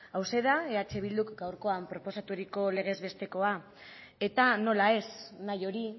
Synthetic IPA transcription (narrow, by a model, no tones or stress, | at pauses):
awse̞ðae̞at͡ʃe̞βild̪ukɡawɾko̞ampɾo̞po̞sat̪uɾiko̞le̞ɣ̞e̞zβe̞st̪e̞ko̞a | e̞t̪ano̞lae̞snajo̞ɾi